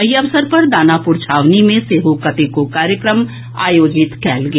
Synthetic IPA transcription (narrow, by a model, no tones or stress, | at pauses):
ɐjɐʋsəɾpɐɾd̪aːnapʊɾt͡ʃʰaːʋnimẽseːɦokɐt̪ekokaːɾjəkɾəm | a̰ːjoːd͡ʒɪt̪kɛːlɡ